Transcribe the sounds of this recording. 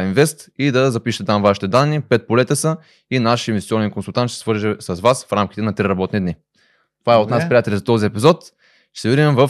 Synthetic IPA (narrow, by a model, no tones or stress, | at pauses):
invɛst̪id̪ɐzɐpiʃət̪ɛt̪amvaʃi̥t̪ɛd̪anːipɛt̪̚polɛt̪əsə | inaʃɛmst̪sʲiɔnɛnkonsulˠt̪ant̪ʃt̪ɛsvɤɾʒɛsɐzvasfɾamk̟i̥t̪ɛnɐt̪ɾiɾɐbɔt̪nid̪ni | t̪ovaɛot̪naspɾiat̪ɛlʲzɐt̪ɔziɛpizɔt̪ | tɛ̥sɛvid̪ɛmvɐf